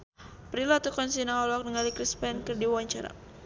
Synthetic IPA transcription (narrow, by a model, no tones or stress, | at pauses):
pɾilat̪ukɔnsinaɔlɔk̚nəŋalikɾispɛnkərdiwawaɲt͡ʃaɾa̰